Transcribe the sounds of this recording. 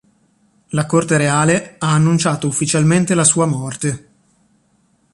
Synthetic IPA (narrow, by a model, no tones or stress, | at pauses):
lakort̪eɾeaːleaːnːunt͡ʃaːt̪oufːit͡ʃalment̪elasuːamɔrt̪e